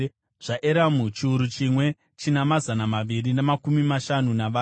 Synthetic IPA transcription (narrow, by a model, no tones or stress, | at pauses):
ʐ̥aʔeɾamut͡ʃiuɾut͡ʃimwe̞ | t͡ʃinamazanamaʋirinemakumimaʃanunaʋaː